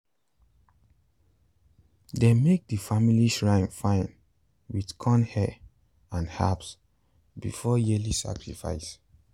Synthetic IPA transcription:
demek̚dəfamiliʃɹãɪ̃nfãɪ̃n | widkʰɔ̃nhɛ | ãnha̰ps | bḭfɔjilisa̰kɹifa̰ɪs

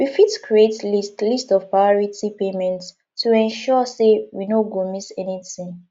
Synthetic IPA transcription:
wifitkɹietlistlistɔv̥pɹaɪɔɹitipemɛ̃ntː | uɛ̃nʃɔsewinoɡomisɛnitĩŋ

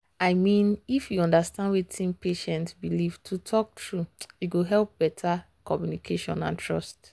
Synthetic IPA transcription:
aɪmĩnifjuɔ̃ndastãndwitʰĩnpeʃɛ̃ntbiliv̥tʰutʰɔk̚tɹujuɡoɦɛlˠp̚bɛtʰa | kʰɔmjunikʰeʃɔ̰̃nã̰ntʰɹɔst

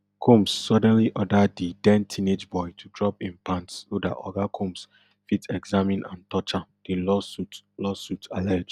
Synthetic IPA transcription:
kʰũmsːɔdɛ̃nliʔɔdəddidɛ̃ntʰĩned͡ʒbɔɪtʰudɹɔpĩnpãntsoda̰ʔɔ̰ɡakʰõms | fitʰɛɡzamĩnʔã̰ntʰɔt͡ʃãd̥elɔutlɔsutʰalɛd͡ʒ

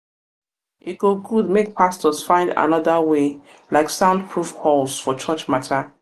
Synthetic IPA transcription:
ʔit̚ɡ̥oɡud̚mek̚pʰastɔz̥fãɪ̃nda̰nɔðəwe | laɪksãʊ̃nd̚pʰɹufkʰɔlˠsfɔt͡ʃʰɜt͡ʃmatʰə

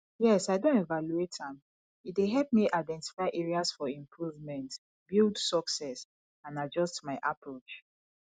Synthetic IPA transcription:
jɛsaɪdõnɛvaluetãm | it̚deɦɛlp̚miʔaɪdɛ̃nti̥faɪʔɛɹiasfɔĩmpʰɹuvmɛ̃nt | bildsɔksɛs | ãnad͡ʒɔstmaɪʔapʰɹot͡ʃ

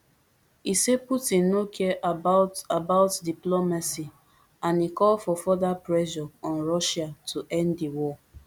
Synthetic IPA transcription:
iseputĩnːokʰɛʔabaʊtabaʊtdiplomasi | ãnikɔlfɔfɔdapɹɛʃɔɔ̃nɹɔʃatʰuʔɛ̃ndiwɔ

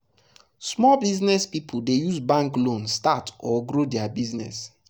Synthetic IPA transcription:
smɔlbiznɛspipʰudejuzbãŋklõnstatɔɡɾodɛabiznɛ̰s

